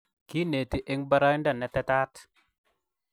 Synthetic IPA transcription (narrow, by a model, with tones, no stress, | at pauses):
ki˦ne˨t̪i˦ʔe˦ŋba˦ɾa˦nda˦˨nɛ˨t̪ɛ˦t̪a˦t̪